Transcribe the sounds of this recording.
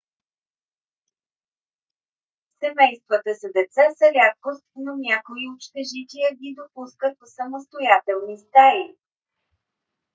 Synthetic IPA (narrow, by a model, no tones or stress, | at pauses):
sɛmɛjst̪vət̪əsəd̪ɛt̪sasəlʲakkost̪nonʲakoiot͡ʃt̪ɛʒit̪ijəɡid̪opuskət̪səməst̪ojat̪ɛlˠnist̪ali